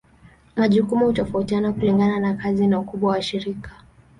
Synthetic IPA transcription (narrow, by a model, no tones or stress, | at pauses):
maʄukumuhutɔfautianakuliŋɡananakazinaukuɓwawaʃiɾikḁ